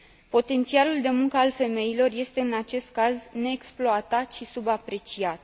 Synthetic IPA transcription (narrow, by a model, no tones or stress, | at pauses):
po̞t̪e̞nt̪sialuld̪e̞muŋkəalfe̞me̞jilo̞rje̞st̪e̞ɨnat͡ʃe̞st̪̚kazne̞ːksploat̪at̪ʃisubapɾe̞t͡ʃiat̪̚